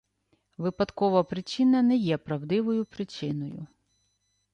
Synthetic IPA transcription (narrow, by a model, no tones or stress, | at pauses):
ʋɪpɐd̪kɔʋɐpɾɪt͡ʃɪnɐnɛjɛpɾɐwd̪ɪʋɔjʊpɾɪt͡ʃɪnɔjʊ̰